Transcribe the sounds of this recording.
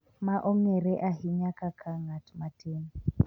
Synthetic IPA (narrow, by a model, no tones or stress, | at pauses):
maʔɔŋɛɾɛʔaɦiɲakakʰaŋatmatʰen